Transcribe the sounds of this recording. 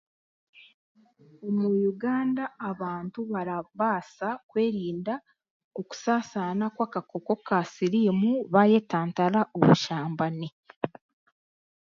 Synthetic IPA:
omwujuɡaːndaːβaːntuβaɾaβaːsakwe̞ːɾiːnda | o̞ku̥saːsanakwaːkako̞ko̞kasiɾimuβaje̞taːntaɾaʔoβuʃaːmbane

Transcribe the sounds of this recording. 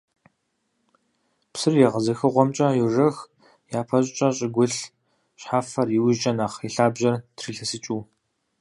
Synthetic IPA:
psɨrjɛʁəzɐxɨʁʷɔmt͡ʃʼɐjuʐɐx | jaːpʰɐɕʼt͡ʃʼɐɕʼɪɡʷʊɬ | ɕħaːfɐriwɪt͡ʃʼɐnaːχiɬaːbʑɐrtʰriːɬɐsɨt͡ʃʼuː

